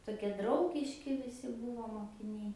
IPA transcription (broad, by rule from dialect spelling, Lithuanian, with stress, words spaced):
toːˈkʲiɛ ˈdrɐʊɡʲɪʃʲkʲɪ ʋʲɪˈsʲɪ ˈbuːʋoː moːkʲɪˈnʲɛɪ